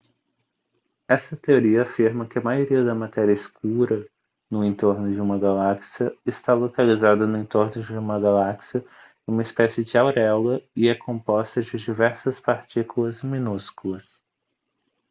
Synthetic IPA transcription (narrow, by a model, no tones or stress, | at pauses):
ɛsɐt̪eoɾiɐafiɾmɐkɪɐmajoɾiɐd̪ɐmat̪ɛɾiɐɪskuɾɐ | nʊẽnt̪oɾnʊd͡ʒɪũmɐɡalaksiɐɪst̪alokalizad̪ɐnʊẽnt̪oɾnʊd͡ʒɪũmɐɡalaksiɐ | ũmɐespɛsɪd͡ʒɪawɾɛlɐɪɛkʰõmpɔst̪ɐd͡ʒɪd͡ʒivɛɾsɐspaɾt͡ʃikulɐzmĩnuskulɐs